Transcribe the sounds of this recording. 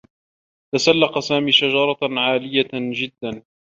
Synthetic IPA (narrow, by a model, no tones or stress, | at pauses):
t̪asalːɑqsaːmiːʃad͡ʒɑɾˤɑʕaːlɪjad͡ʒɪd̪ːan